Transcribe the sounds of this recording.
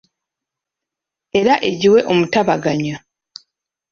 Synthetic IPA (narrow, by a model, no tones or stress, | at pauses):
e̞ɾaʔe̞ɟiwe̞ʔo̞mutaβaɡaɲa